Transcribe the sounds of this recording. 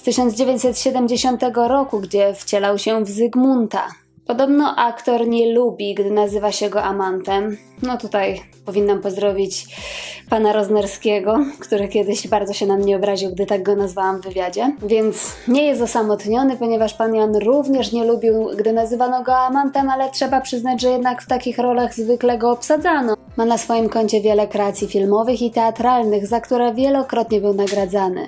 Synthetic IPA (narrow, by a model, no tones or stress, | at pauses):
st̪ɘɕɔnd̪zd͡ʑevʲeɲt͡ɕʲsɛt̪ɕɛd̪ɛmd͡ʑeɕɔnt̪ɛɡɔɾɔkuɡd͡ʑɛft͡ɕɛlawɕɛvzɘɡmunt̪a̰ | pɔd̪ɔbnɔʔakt̪ɔɾɲɛlubʲiɡd̪ɘnazɘvaɕɛɡɔʔamant̪ɛm | nɔt̪ut̪ajpɔvʲinːampɔzd̪ɾɔvʲit͡ɕ | panaɾɔznɛɾskʲɛɡɔkt̪uɾɘkʲɛd̪ɘɕbaɾd̪zɔɕɛnamɲɛɔbɾaʑiwɡ̚d̪ɘt̪aɡ̚ɡɔnazvawamvːɘvʲjad͡ʑɛvʲjɛnt̪sɲɛjɛst̪ɔsamɔt̪ɲɔnɘpɔɲɛvaʂpanjanɾuvɲɛʂɲɛlubʲiwɡd̪ɘnazɘvanɔɡɔamant̪ɛmalɛtʂɛbapʂɘznad͡ʑʐɛjɛd̪nakft̪akʲixɾɔlaɣzvɘklɛɡɔːpsad̪zanɔ | manasfɔjimkɔɲt͡ɕɛvʲjɛlɛkɾɛat̪sʲjifʲilmɔvɘxit̪ɛat̪ɾalnɘɣzakt̪uɾɛvʲjɛlɔkɾɔt̪ɲɛbɘwnaɡɾad̪zanɘ̰